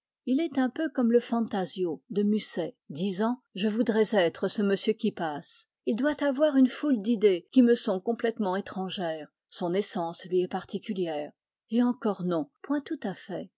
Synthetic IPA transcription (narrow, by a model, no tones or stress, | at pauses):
ilɛt̪ɛ̃pøkɔmləfɑ̃t̪azjod̪əmysɛ | d̪izɑ̃ʒəvud̪ʁɛzɛt̪χəsəməsjøkʲipas | ild̪wat̪avwaʁynfuld̪id̪ekʲiməsɔ̃kɔ̃plɛt̪mɑ̃et̪χɑ̃ʒɛːʁ | sɔ̃nesɑ̃slɥiɛpaʁt̪ikʲyljɛːʁ | eɑ̃kɔʁnɔ̃pwɛ̃t̪ut̪afɛ